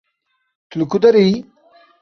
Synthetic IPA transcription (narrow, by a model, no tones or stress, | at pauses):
t̪ʰulukud̪ɐɾi